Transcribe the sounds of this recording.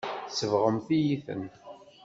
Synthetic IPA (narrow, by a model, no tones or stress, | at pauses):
θsəvʁəmθijiθə̰n